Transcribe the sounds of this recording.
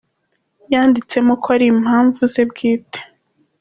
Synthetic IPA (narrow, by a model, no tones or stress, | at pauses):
jaːndit͡se̞mokoaɾim̥haːɱvuze̞bɡiːtʰe̥